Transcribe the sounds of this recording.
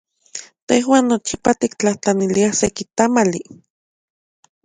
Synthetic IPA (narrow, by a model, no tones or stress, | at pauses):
t̪ehwaːnːot͡ʃipat̪ik̚t͡ɬaht͡ɬaniliasekit̪amali